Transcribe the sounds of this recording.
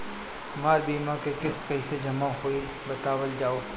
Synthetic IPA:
maːɾbiːmakekɪst̪kɐised͡ʒɐmãɦoːi | bɐt̪aːwəld͡ʒaːoː

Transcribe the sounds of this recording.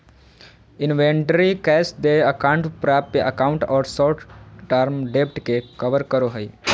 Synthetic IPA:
ɪnʋẽːɳʈəɾikɛːsd̪eəkãːɳʈpɾaːppeʔəkaːʊ̃ɳʈɔːɾsɔːɾʈʰɖaːɾmɖeːpʈkekəʋəɾkəɾoɦəi

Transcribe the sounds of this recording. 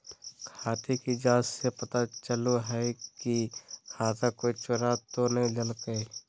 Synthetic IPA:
kʰaːt̪ikid͡ʒãːsːepɐt̪at͡ʃəloɦɛkihãːt̪akoːit͡ʃʊɾat̪onɐɦĩləlkəi

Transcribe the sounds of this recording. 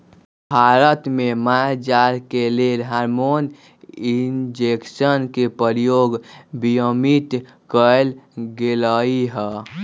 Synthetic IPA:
bʱaɾət̪memad͡ʒaɾkelelɦaɾmon | ind͡ʒeksənkepəɾijoɡbijəmit̪ | kəlɡeləiɦɛ

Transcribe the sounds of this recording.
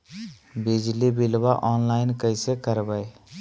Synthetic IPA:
bɪd͡ʒlibɪlwaʔɔːnlaːɪnkəɪsekəɾbəe

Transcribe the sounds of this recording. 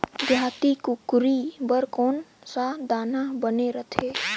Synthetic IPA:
b̪ʱjaːt̪ikukʊɾibəɾkɔːnsad̪aːnabəneɾət̪ʰeː

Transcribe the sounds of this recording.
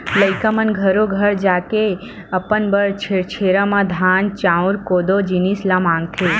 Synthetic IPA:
ləjkamənɡʱəɾoɡʱəɾd͡ʒake | əpənbəɾt͡ʃʰet͡ʃʰeɾamãd̪ʱant͡ʃãũɾkod̪od͡ʒinislãmãŋɡ̚t̪ʰe

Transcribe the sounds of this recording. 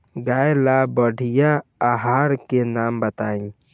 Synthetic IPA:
ɡaːjelabəɖʱijaaɦaːɾkenaːmbət̪aːĩ

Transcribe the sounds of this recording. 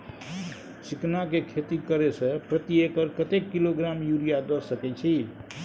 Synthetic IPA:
siknakekʰet̪ikəɾesə̃pɾət̪iekəɾkət̪ekːiloɡɾamjuɾijad̪ɔsəkɛt͡ʃʰi

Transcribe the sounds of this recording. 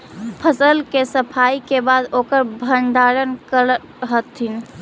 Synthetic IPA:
pʰəsəlkesəpʰaikebad̪okəɾbʱənd̪aɾənkəɾə | ɦət̪ʰin

